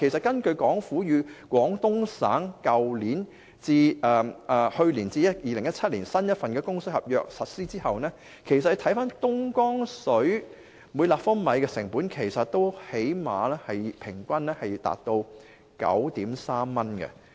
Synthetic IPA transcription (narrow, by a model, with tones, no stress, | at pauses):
kʰe˨˩jsɐ˨t̚kɐ˥nkɵ˧ɥkɔː˨˥ŋfuː˨˥jyː˨˧kʷɔː˨˥ŋt̪ʊ˥ŋsa̰ː˨˥ŋkɐ˨wliː˨˥n | t͡siː˧ɛː˨ɛː˨˩hɵ˧ɥliː˨˩nt͡siː˧jɐ˥t̚jiː˨˧lɪ˨˩ŋjɐ˥t͡sʰɐ˥t̚liː˨˩nsɐ˥njɐ˥t̚fɐ˨nkɛː˧kʊ˥ŋsɵ˨˥hɐ˨p̚jœ̰ː˨˧k̚sɐ˨t̚siː˥t͡siː˥hɐ˨wnɛː˥ | kʰe˨˩jsɐt̚ht̪ʰjfaː˥nt̪ʊ˥ŋkɔː˥ŋsɵ˨˥ɥ | muː˨˧jlaː˨p̚fɔː˥nmɐ˨˧jkɛː˧sɪ˨˩ŋpuː˨˥nkʰe˨˩jsɐ˨t̚t̪o˥whe˨˥jmaː˨˧lɛː˥hɐ˨jpʰɪ˨˩ŋkʷɐ˥nlɛː˥hɐ˨jt̪a̰ː˨t̚t̪o˧w | kɐ̰˨˥wt̪iː˨˥msaː˥mːɐ˥nkɛ̰˧